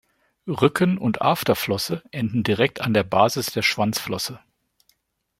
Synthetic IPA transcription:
ʁʏkʰənʊntʔa̰ftɐflɔsəʔɛndn̩diʁɛk̚tandeːɐbaːzɪsd̥eːɐʃv̥ant͡sflɔsə

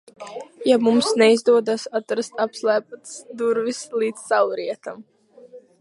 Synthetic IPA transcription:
jamumsnɛizd̪uɔd̪asat̪ɾast̪apslˠæːp̚at̪sd̪uɾvislˠiːd̪ssawɾiɛt̪am

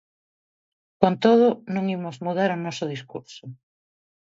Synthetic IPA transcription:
kont̪oðʊnõŋimozmuðaɾʊnɔsʊð̞iskṵɾsʊ

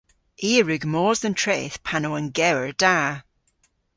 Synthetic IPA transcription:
ʔiːəɹʉɡmɔːzðə̃ntʰɹ̥eːθpʰanoə̃nɡɛwəɹd̥aː

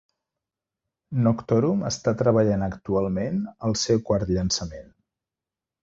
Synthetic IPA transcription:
nɔkt̪ɔɾumə̰st̪at̪ɾəβəʎanəkt̪ualˠmenəlˠsɛwkwaɾt̪ʎənsəmen

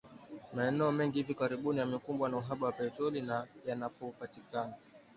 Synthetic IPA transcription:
maɛnɛɔmɛŋɡihivikaɾiɓunijamikumbwanauɦaɓawapɛtɔlinajanapɔupatikana

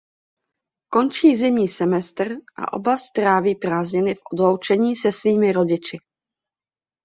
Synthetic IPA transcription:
ko̞nt͡ʃiːzɪmɲiːsɛmɛst̪r̩ʔa̰ʔo̞̰bast̪ɾaːviːpɾaːzɲɛnɪfʔo̞dlowt͡ʃɛɲiːsɛsviːmɪɾo̞ɟɪt͡ʃɪ

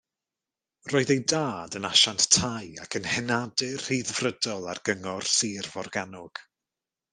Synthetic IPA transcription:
roːɨðejdaːdənaʃanttʰajakʰənhɛnadɨrhiðvrədɔlˠarɡ̥əŋɔrsiːrvɔrɡanʊɡ̥

